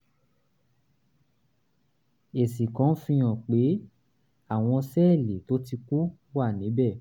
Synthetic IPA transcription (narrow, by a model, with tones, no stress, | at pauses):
e˨sĩ˨kɔ̃˨˦fĩ˧j̃ɔ̃˨k͡pe˨˦ | a˦˨w̃ɔ̃˧sɛ˦˨le˨to˨˦ti˧ku˦ | wa˦˨nĩ˨˦bɛ˦˨